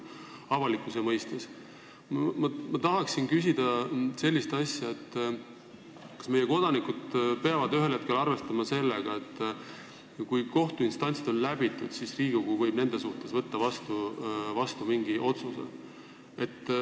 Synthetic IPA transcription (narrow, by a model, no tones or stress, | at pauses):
ɑvɑlikːˑusemɤjst̪es | mɑmɑt̪ɑɦɑksinkys̬ʲid̪̥ɑse̞lːist̪ɑsʲjɑe̞t̪ː | kɑ̥sme̞jeko̞d̪̥ɑnikud̪̥̚peɑvɑd̪yɦe̞lhe̞t̪̚ke̞lɑrve̞st̪ɑmɑse̞lːeɡ̥ɑe̞t̪ː | kujko̞ht̪uinst̪ɑnʲt̪sid̪̥o̞nlæbit̪ːˑud̪̥sisriːɡ̥uɡ̥uvɤ̞jbne̞nd̪e̞suht̪e̞svɤt̪ːɑvɑst̪uvɑst̪umiŋɡiʔo̞t̪suse̞̰ | e̞t̪ː